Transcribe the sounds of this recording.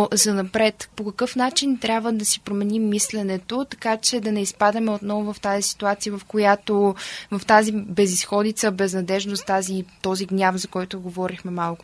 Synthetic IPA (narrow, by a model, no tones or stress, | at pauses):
zɐnɐpɾɛt̪pokɐkɤfn̪at͡ʃint̪ɾʲabvəd̪ɐsipɾomɛnimːislɛnɛt̪ot̪ɐ̥kat͡ʃɛd̪ɐnɛispad̪əmɛot̪nɔvʊvɐft̪azisi̥t̪uat̪sijəvɐfkojat̪ovɐft̪azibɛzisxɔd̪it̪səbɛznɐd̪ɛʒnost̪azit̪ɔziɡnʲafzɐkɔjt̪oɡovɔɾixmɛmalˠkʊ